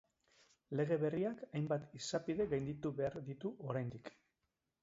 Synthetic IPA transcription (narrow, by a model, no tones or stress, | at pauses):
le̞ɣ̞e̞βe̞riakajmbat̪isapiðe̞ɣajnd̪it̪uβe̞aɾd̪it̪uʔo̞ɾajnd̪ik